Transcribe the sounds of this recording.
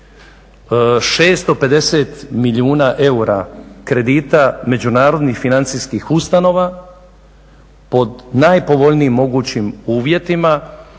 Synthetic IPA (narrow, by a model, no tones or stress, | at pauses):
ʃe̞ːst̪o̞pe̞d̪e̞se̞t̪miʎiuːnaʔe̞uɾakɾe̞d̪iːt̪ame̞d͡ʑunaːɾo̞d̪nixfinant̪siskixust̪ano̞ːʋa | po̞d̪najpo̞ʋo̞ʎniːmːo̞ɡuːt͡ɕimuːʋje̞t̪ima